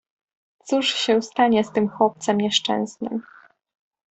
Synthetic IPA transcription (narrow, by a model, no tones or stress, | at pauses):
t̪suʂɕɛst̪aɲɛst̪ɘmxwɔp̚t̪sɛmɲɛʂt͡ʂɛ̰̃ñznɘ̰m